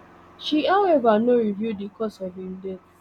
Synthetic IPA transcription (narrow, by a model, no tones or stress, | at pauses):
ʃiaʊevanoɾivjudikɔsɔdin̩de